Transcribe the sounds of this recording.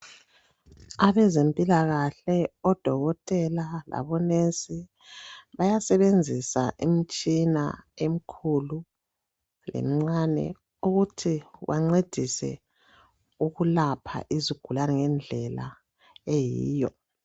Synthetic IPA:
aβɛzempʼilaɣaɬɛɔd̥ʱɔɣɔtʼɛlala̰βɔnesi | βajasɛβend͡zʱisa̰ʔimit͡ʃʼina̰em̩kʰulu | lʔḛm̩ŋ͡ǀanɛ̰ | uɣutʰiwaŋ͡ǀed̥ʱisɛ̰ | uɣulapʰa̰ʔiziɡ̥ʱulanɛŋɛnd͡ɮʱɛla̰ | ejḭːjɔ

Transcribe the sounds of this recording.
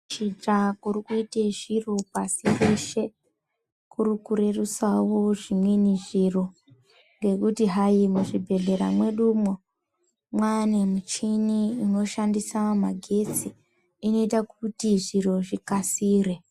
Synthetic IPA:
t͡ʃit͡ʃakurikuiteʐiro̞pasieʃe̞ | kurukuɾe̞rusawo̞ʐimweniʐiro̞ | ŋɡe̞kutiɦajimuʐibʱe̞ɮe̞ɾamwe̞ɗuːmo | mwanemut͡ʃiniːno̞ʃandisamaɡʱe̞t͡siː | no̞itakutiʐiro̞ʐikasiːre̞

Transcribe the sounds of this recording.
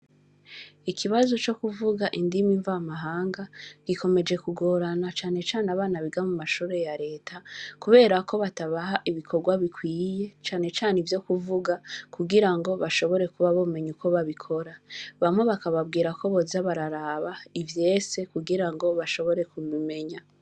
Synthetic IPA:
ikʰiβazo̞t͡ʃo̞kuvuɡaʔindimiɱvamaɦaːŋɡaɡ̥ikʰo̞me̞d͡ʒe̞kuɡo̞ːɾanat͡ʃaːne̞t͡ʃaːneaβaːnaβiɡamumaʃuːɾe̞jaɾe̞ːtʰakuβe̞ːɾako̞βataβaɦaʔiβikʰo̞ɾɡwaβikwiːje̞t͡ʃaːne̞t͡ʃaːnivjo̞kuvuɡakuɡiɾaŋɡo̞βaʃo̞βo̞ɾe̞kuβaβome̞ɲukʰo̞βaβikʰo̞ɾaβamwe̞βakaβabɡiːɾako̞βo̞zaβaɾaɾaβaivje̞ːse̞kuɡiɾaŋɡo̞βaʃo̞βo̞ɾe̞kumime̞ɲa

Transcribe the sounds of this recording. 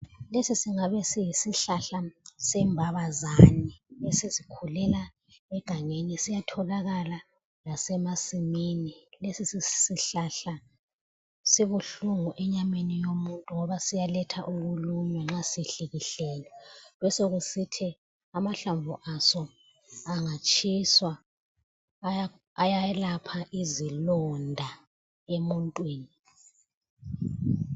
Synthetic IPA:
lesisiŋaβɛsijisiɬaɬasɛmbʱaβazaːnilesizikʰulɛla | ɛɡ̥ʱaŋenisijatʰɔlaɣala | lasɛmasiminilesisisiɬaɬa | siβuɬuŋuʔɛɲamenijomuntʼuŋɔβasijalɛtʰaʔuɣulumɛŋ͡ǁasiɬiɣiɬɛːlɛlwɛsoɣusitʰi | amaɬaɱvuʔasɔ | aŋat͡ʃʼʰiswa | jajɛlapʰaʔizilɔndʱa | emuntʼwiːni

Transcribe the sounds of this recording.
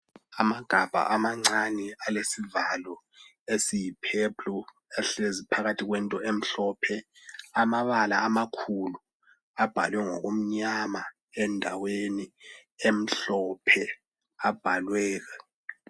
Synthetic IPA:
amaɡ̥ʱab̥ʱa̰ʔamaŋ͡ǀanialesivalɔ | esijipʰeblɔ | ɛɬezipʰaɣatʰiɣ̬wɛntʼɔem̩ɬɔpʰɛamaβalaːmakʰulu | ab̥ʱa̰lwɛŋɔɣom̩ɲama | ɛndʱaweniem̩ɬɔpʰɛ | ab̥ʱalwɛːɣ̬a

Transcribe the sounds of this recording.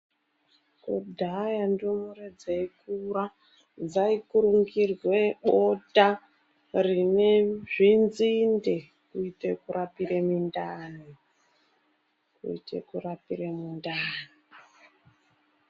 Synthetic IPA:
kudʱajandomuɾed͡zeikuɾa | d͡zaikuɾuŋɡirweɓota | rineʐinzinde | kuitekuɾapiɾemundaːni | kṵḭtḛkurapiɾemundani

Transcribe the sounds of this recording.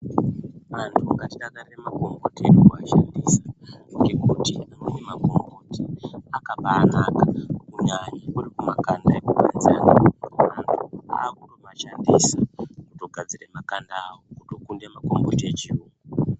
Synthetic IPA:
mantʰukatiɗakariremako̞mɡoterokuaʃandisaŋɡe̞kutiamenemako̞mɡotiakapaːnakakuɲaɲiurikumakandaekuɡʱa̰nzanamantʰua̰ːkuromaʃandisakuto̞ɡʱad͡zire̞makandaːwokuto̞kunde̞mako̞mbo̞tet͡ʃiumu

